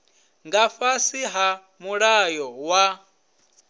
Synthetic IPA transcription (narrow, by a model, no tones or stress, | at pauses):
ŋɡafasiɦa | muɺajɔwa